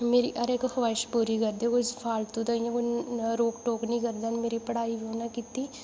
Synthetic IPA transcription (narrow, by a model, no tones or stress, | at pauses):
meːɾḭːʔəɾekhəʋaːɪʃpuːɾiːkəɾd̪ekʊspʰaːlt̪ũd̪əijãːkoɾoːkʈoːknĩːkəɾd̪aːnmeːɾiːpəɽaːibionãːkiːt̪iː